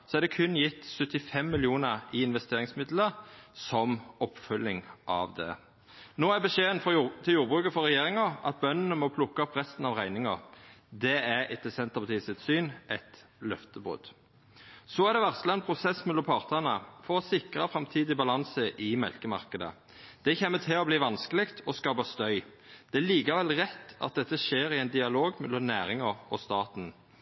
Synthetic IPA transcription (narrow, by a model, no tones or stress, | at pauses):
sɔæɾd̪ɛkʰʉnːjɪt̪ːsʉt̪ːɪfɛmːɪlɪuːnəʁɪɪnʋɛst̪ʰeːɾɪŋsmɪd̪ləʁsɔmɔpːfʉlːɪŋʔɑ̰ʋd̪ɛ̰ | noːæbəʃeːənfɔt̪ʰɪljuːɾbʁʉːkəfɔɾɛjeːɾɪŋɑʔɑ̰t̪̚bœnːənəmɔpʰlʊkːəɔpʁɛst̪n̩ɑʋʁæɪnɪŋəʁd̪ɛæɾɛt̪ːəsɛnt̪əpʰɑt̪iːsət̪syːnʔɛt̪lœft̪əbʁʉ̰d̪̥ | sɔæʁd̪ɛʋæʁt̪sləɛnpʰʁʊsɛsmɛlɔmpʰɑʁt̪əʁnəfɔʁɔsɪkʁɑfɾɑmt̪ʰiːd̪ɪbɑlɑnsəʔɪmɛ̰lkəmɑʁkəd̪ə̰ | d̪̥ɛçɛmːət̪ʰɪɔbliːʋɑnskəlɪkt̪ʰɔskɑːpɑst̪œʏ | d̪̥ɛæliːkɑʋɛlʁɛt̪ːɑ̰t̪̚d̪ɛt̪ːəʃeːɾɪɛɪnd̪ɪɑloːɡmɛlːɔmnæːɾɪŋɑɔ̰st̪ɑːt̪n